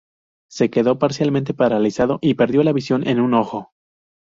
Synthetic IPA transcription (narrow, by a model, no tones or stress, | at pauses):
se̞ke̞ðo̞paɾsjalmẽnt̪epaɾalisaðo̞ʔipe̞ɾðjo̞laβisjo̞nʔe̞̰nuno̞xo̞